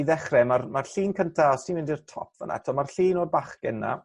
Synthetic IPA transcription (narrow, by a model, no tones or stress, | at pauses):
iðɛχrɛmarmarɬiːnkʰəntʰaɔsinvɪndirtʰɔ̰pʰv̥ə̰nʔa̰ɛtʰɔmarɬiːnoːdbaχɡ̥ɛnːa̰